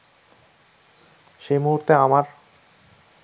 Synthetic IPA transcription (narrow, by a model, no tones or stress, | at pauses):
ʃejmuɦuɾt̪eamaɾ